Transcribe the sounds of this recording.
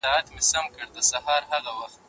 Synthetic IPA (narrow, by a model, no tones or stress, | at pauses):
ɑat̪mɪsamkəɽd̪əsahɑɾhaɣawaxt̪